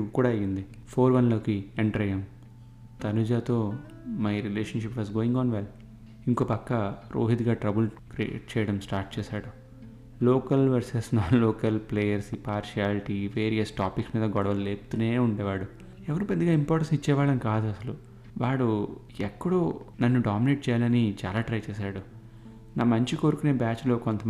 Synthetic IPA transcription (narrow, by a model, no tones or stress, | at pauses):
iɡukuːɽaːɐjind̪i | pʰoːɾʋɐnlo̞ːkiɛɳʈɐɾɐjɐm | t̪ɐnud͡ʒaːt̪o̞ː | mɐjɾileːʃɐnʃipʋaːzɡoːiŋɡaːnʋel | iŋkoːpɐkːɐɾo̰ːɦit̪ɡaːʈɾɐbulkɾiḛʈ̚t͡ʃɛːjɐɽɐmsʈaːɾʈ̚t͡ʃɛːsaːɽɐm | loːkɐlʋɐɾsesnaːloːkɐlpleːjɐɾsipaːɾʃiaːliʈiʋeːɾijɐsʈaːpiksmiːd̪ɐɡɔɽɐʋɐlleːpt̪uneːuɳɖɛːʋaːɽu | ɛʋɐɾupɐd̪ːiɡaːimpoːɾʈɐsnit͡ʃːɛːʋaːɭɐnkaːd̪uɐsɐlu | ʋaːɽu | ɛkːɐɽoːnɐnːuɖaːmineːʈ̚t͡ʃɛːjaːlɐnit͡ʃaːlaːʈɾɐjt͡ʃɛːsaːɽu | naːmɐɲt͡ʃiko̞ːɾukuneːbaːt͡ʃlo̞ːkont̪ɐ